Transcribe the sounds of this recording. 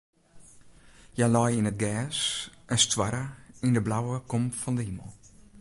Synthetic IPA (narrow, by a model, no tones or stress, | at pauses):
jalɔjinət̚ɡɛːsʔənstwaɾəindəblawəkomfɔndəhiməlˠ